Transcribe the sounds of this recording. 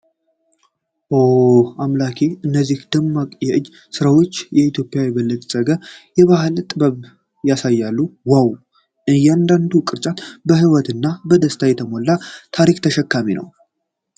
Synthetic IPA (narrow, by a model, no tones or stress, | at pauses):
ʔoamlakʰeɨnːəzːihd̪̥ɨmːakʼjɛʔɨd͡ʒː | sɨɾawo̞t͡ʃːjɛit̪ʰjo̞pʼjawjɛbəlːət̪ʼsʼəɡəjɛβaɦɨlt̪ʼɨbəβ | jasajːalːuwaw | ɨjɛand̪and̪ukʼɨɾt͡ʃʼanbəhiwɔt̪ɨnːabəd̪əst̪ʰajɛt̪ʰəmo̞lːat̪ʰaɾikt̪ʰəʃɛkːaminə̰w